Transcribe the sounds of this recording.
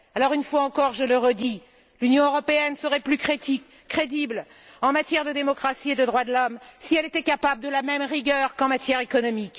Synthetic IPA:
alɔʁynfwaɑ̃kɔʁʒələʁəd̪i | lynjɔ̃øʁɔpeɛnsəʁɛplykχet̪i | kχed̪ibl | ɑ̃mat̪jɛʁd̪əd̪emɔkχasied̪əd̪ʁwad̪əlɔmsiɛlet̪ɛkapabləd̪əlamɛmʁiɡʲœʁkɑ̃mat̪jɛʁekɔnɔmik

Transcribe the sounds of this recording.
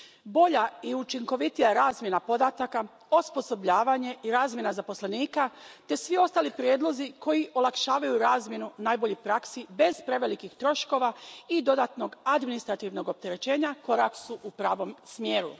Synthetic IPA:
bo̞ʎaiut͡ʃiŋko̞ʋit̪ijaɾaːzmje̞napo̞d̪at̪aka | ospo̞so̞bʎaːʋaɲe̞iɾaːzmje̞nazapo̞sleniːkat̪e̞sʋio̞st̪aːlipɾjeːd̪lˠo̞zikʰo̞jiʔo̞lˠakʃaːʋajuɾaːzmje̞nunaːjbo̞ʎipɾaksibe̞zpɾe̞ʋe̞likixt̪ɾo̞ʃko̞ʋaid̪o̞d̪aːt̪no̞ɡad̪minist̪ɾat̪iʋno̞ɡo̞p̚t̪e̞ɾe̞t͡ɕe̞ːɲako̞ɾaksuʔupɾaːʋo̞msmje̞ːɾṵ

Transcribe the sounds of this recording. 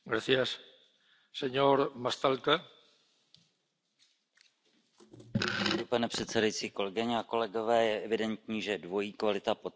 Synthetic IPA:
ɡɾaθjas | seɲoɾmast̪alka | ipanɛpr̝̥ɛt̪t͡sɛdajit͡siːko̞lɛɡɪɲɛako̞lɛɡo̞vɛːjɛʔɛvɪdɛnt̪̚ɲiːʒɛdvo̞jiːkvalɪt̪apo

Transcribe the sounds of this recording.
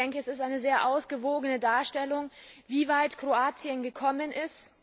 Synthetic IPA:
ɛŋkəɛsɪstʔaɪnəzeːɐʔaʊsɡ̥əvoːɡənədaːɐʃtɛlʊŋviːvaɪtkʁ̥oaːt͡sjənɡəkʰɔmənʔɪst

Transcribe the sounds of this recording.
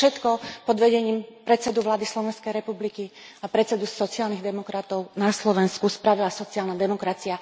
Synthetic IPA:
ʃɛt̪kɔpɔd̪ʋɛɟɛɲiːmpɾɛt͡sɛd̪uʋlaːd̪islɔʋɛnskɛjɾɛpublikiapɾɛt͡sɛd̪usɔt͡siaːlniɣd̪ɛmɔkɾat̪ɔʊnaslɔʋɛnskuspɾaʋilasɔt͡siaːlnad̪ɛmɔkɾat͡sia

